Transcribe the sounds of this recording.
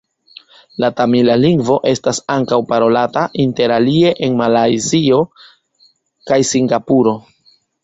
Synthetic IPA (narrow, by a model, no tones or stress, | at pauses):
latamilaliŋɡvo̞ʔe̞stasaŋkawpaɾo̞lataʔinte̞ɾalie̞ʔenmalajzio̞ | kajsiŋɡapuɾo̞